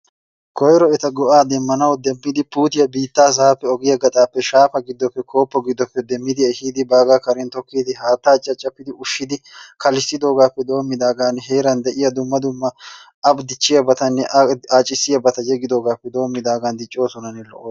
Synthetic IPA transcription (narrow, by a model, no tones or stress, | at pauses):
kɔjɾɔɛt̪ɐɡɔʔaːd̪ɛmːɐnɐwd̪ɛmːɪd̪ɪpuːt̪ɪjɐbiːt̪ːaːs̬ɐɐpːɛɔɡɪjɐɡɐt̪ʼaːpːɛʃaːfɐɡɪd̪ːɔpːɛkʰo̞ːpːɔɡɪd̪ːɔpːɛd̪ɛmːɪd̪ɪɛhiːd̪ɪbaːɡaːkɐɾɛnt̪ɔkːid̪ɪɦaːt̪ːaːt͡ʃʼːɐt͡ʃʼːɐpːɪd̪ɪʔʊʃːɪd̪ɪkʰɐlɪsɪd̪o̞ːɡaːpːɛd̪o̞ːmːɪd̪aːɡaːnɦeːɾɐnd̪ɛʔɪjɐd̪ʊmːɐd̪ʊmːɐ | ɐbd̪ɪt͡ʃːɪjɐbɐt̪ɐnːɛʔaːt͡ʃʼːɪsːɪjɐbɐt̪ɐjɛɡɪd̪o̞ːɡaːpːɛd̪o̞ːmːɪd̪aːɡaːnd̪ɪt͡ʃʼːo̞ːsɔnɐnːɛlɔ̰ʔoː